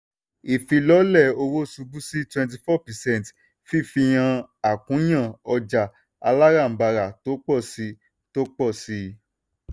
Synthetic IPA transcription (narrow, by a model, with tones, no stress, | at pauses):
i˨fĩ˧lɔ˨˦lɛ˦˨o˧wo˦˨su˧bu˦si˦twɛ̃˧nt̬i˧fɔ˦˨pɛ˨sɛ̃˦˨n˨t | fi˦˨fi˧j̃ã˧a˨kũ˨˦j̃ã˦˨ɔ˧d͡ʒa˨ | a̰˧la˦ɾa˦˨m̩˨ba˧ɾa˨to˨˦k͡pɔ˦˨si˧ | to˦k͡pɔ˦˨si˧˦